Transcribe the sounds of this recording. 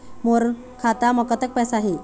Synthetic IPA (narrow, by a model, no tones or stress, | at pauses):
moɾ | kʰat̪aməkət̪ək̚pɛsaɦe